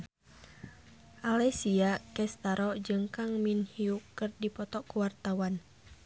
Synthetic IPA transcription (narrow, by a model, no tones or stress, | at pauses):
ʔalɛsiakɛst̪aɾʔɔd͡ʒɨŋkaŋminhiukɨrdipɔt̪ɔkuwart̪awan